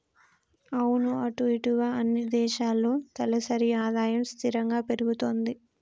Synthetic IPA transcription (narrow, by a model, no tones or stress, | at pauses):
ɐwunuɐʈuiʈuɡaːɐnːid̪ɛːʃaːlːoːt̪ɐlɐsɐɾiaːd̪aːjɐmst̪ʰiɾɐŋɡaːpe̞ɾuɡut̪o̞ːnd̪i